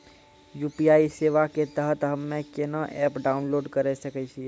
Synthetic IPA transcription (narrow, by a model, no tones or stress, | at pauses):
jupiaiseʋaket̪əɦət̪ɦəmːekenəʔɛpɖaunloɖkəɾɛsəkɛt͡ʃʰi